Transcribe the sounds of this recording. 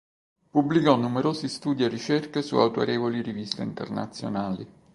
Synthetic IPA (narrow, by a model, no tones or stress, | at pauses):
publikɔnːumeɾoːzist̪uːd̪ierit͡ʃerkesṵa̰wt̪o̰ɾeːvoliɾivist̪eint̪ḛrna̰t̪sːjo̰naːli